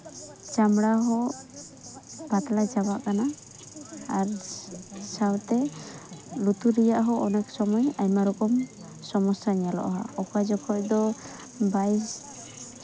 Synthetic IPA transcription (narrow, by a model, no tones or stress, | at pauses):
t͡ʃamɽaɦɔ | b̥at̪lad͡ʒabaʔkana | aɾ | sawt̪ɛ | lut̪uɾɛjaʔɦɔɔnɛksɔmɔjajmaɾɔkɔm | sɔmɔsaɲalɔ̰ʔɦa̰ɔkajd͡ʒɔkʰɔʔd̪ɔ | bajs